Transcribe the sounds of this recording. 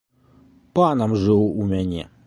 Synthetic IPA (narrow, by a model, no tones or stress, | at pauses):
panɐmʐɨwumʲanʲɛ̰